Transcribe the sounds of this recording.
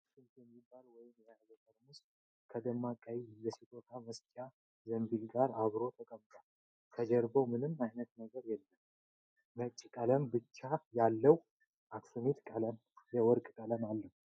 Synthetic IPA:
ksunt̪jɛmːibalwɔjɪmjazək̪ʼəɾmust̪ | kʰəd̪əmːakʼːajijəsit̪ʼot̪ʰaməst͡ʃʼa | zəmbilɡaɾaβɾo̞t̪ʰəkʼəmːt̪ʼo | k̪ʰəd͡ʒɛɾbəwmɨnɨmːajnət̪̚nəɡəɾjɛlːəm | mət͡ʃʼːkʼələmbɨt͡ʃːajalːəw | ʔaksunet̪kʼələm | jɛwɔɾkʼkʼələmalːəh

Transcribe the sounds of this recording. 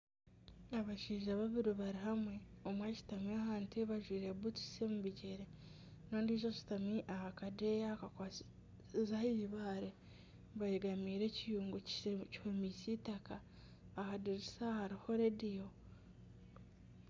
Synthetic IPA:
aβaʃiːʒaβaβiɾoβaɾiɦamwe̞omweci̥tamiahaːnteβaʒwiːɾe̞βuti̥semuβiɟe̞ɾe | noːndiːʒot͡ʃi̥tamiʔahakadejakaka | zahiːβaːɾe | βaeɡamiːɾe̞cijuːŋɡuci̥homisitakaː | kadiɾisahaɾiho̞ɾedijo̞

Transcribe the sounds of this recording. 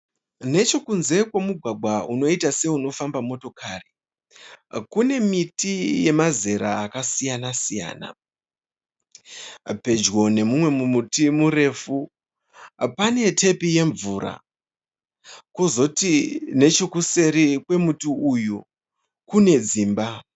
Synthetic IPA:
ne̞t͡ʃo̞kunze̞kwemuɡʱwaɡʱwauno̞itase̞uno̞fambamo̞to̞kʰari | kune̞mitije̞maze̞ɾa̰ːkasijanasija̰ːna̰ | pe̞d͡ʒɡo̞ne̞mumwe̞mumutimuɾe̞fu | pane̞tʰe̞pije̞ɱvuɾa̰ | kozo̞tine̞t͡ʃo̞kuse̞ɾikwe̞mutiuju | kune̞d͡ziːmba

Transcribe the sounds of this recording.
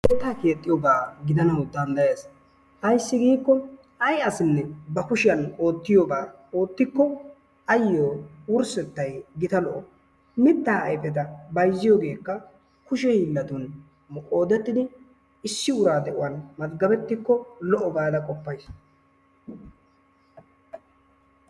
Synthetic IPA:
ʔɛt̪ːaːke̞ːt̪ʼːɪjobaːɡɪd̪ɐnɐwd̪ɐnd̪ɐjeːs | hɐjsːɪɡiːkːɔ | ɐjɐsɪnːɛbɐkʊʃɪjɐno̞ːt̪ːɪjoːbaː | o̞ːt̪ːɪkːɔ | ɐjːoːwʊɾsɛt̪ːɐjɡɪt̪ɐlɔʔɔ | mɪt̪ːaːɐ̰jpɛt̪̬ɐbɐjzːɪjoːɡe̞ːkːɐ | kʊʃɛhiːlːɐt̪ʊn | mkʼo̞ːd̪ɛt̪ːɪd̪ɪ | ɪsːɪʊɾaːd̪ɛʔʊwɐnmɐzɡɐbɛt̪ːɪkːɔlɔʔɔbaːd̪ɐkʼɔpːɐjs

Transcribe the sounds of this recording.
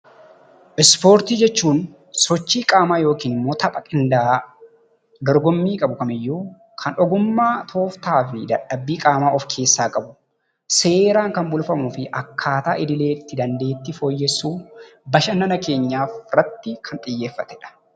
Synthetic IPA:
ʔɪspo̞ːɾt̪iːd͡ʒɛt͡ʃːuːn | sɔt͡ʃːiːkʼaːmaːjo̞ːkiːnɪmːo̞ːt̪ɐpʼɐkʼɪnd̪aː | d̪ɔɾɡɔmːiːkʼɐbʊkɐmɪjːu | kʰɐnʔɔɡʊmːaːt̪ʰo̞ːft̪aːfɪd̪ɐᶑːɐbːiːkʼaːmaːʔɔfkʰe̞ːsːaːkʼɐbʊ̥ | se̞ːɾaːŋkɐnbʊlfɐmuːfɪʔɐkʰːaːt̪aːʔɪd̪ɪle̞ːt̪ːɪd̪ɐnd̪e̞ːt̪ːɪfo̞ːjːɛsːuːbɐʃɐnɐnɐke̞ːɲːaːfrɐt̪ːɪkʰɐnt̪ʼɪjːe̞ːfːɐt̪ɛ̥ᶑɐ̥

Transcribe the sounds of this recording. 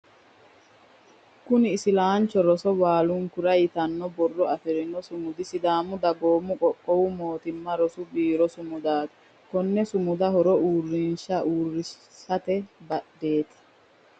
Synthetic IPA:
kʊnɪːsɪlaːnt͡ʃːɔɾɔsɔwaːlʊŋkʊɾɐjɪt̪ɐnːɔbɔrːɔɐfɛɾɪnɔsʊmʊd̪ɪsɪd̪aːmʊd̪ɐɡoːmʊkʼɔkʼːɔwʊmo̞ːt̪ɪmːɐɾɔsʊbiːɾɔsʊmʊd̪aːt̪ɐ̥ | kɔnːɛsʊmʊd̪ɐhɔɾɔuːrːɪnʃɐʔuːrːɪ | sɐt̪ɛbɐɗbe̞ːt̪ɐ̥

